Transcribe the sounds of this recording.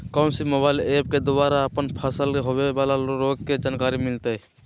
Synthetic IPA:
kə̃nsimobaːɪleːp̚ked̪ʊaːɾaəpənpʰəsəleɦoʋebalaoɾoːɡked͡ʒaːnkaːɾimɪlt̪e

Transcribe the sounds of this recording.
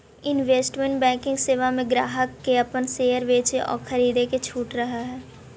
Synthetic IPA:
ɪnʋeːsʈmẽɳʈbɛ̃ːkɪ̃ŋɡseːʋamẽɡɾaːɦəkːeɐpənseːəɾʋeːt͡ʃeʔɔ̰ːɾxʰɐɾiːd̪eket͡ʃʰuːʈɾɐɦaɦɛː

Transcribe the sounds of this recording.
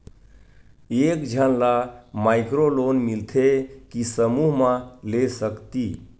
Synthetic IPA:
ekd͡ʒʱənlamaɪkɾolonmilt̪ʰekisəmuɦmãlesəkt̪i

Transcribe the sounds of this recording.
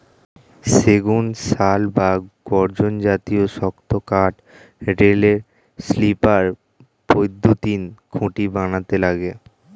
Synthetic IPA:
seɡunʃalbaɡ̥ɔɾd͡ʑond͡ʑat̪ioʃɔkt̪okaʈ | ɾeleɾ | slipaɾ | pojd̪ʱːot̪inkʰũʈibanat̪elaɡe

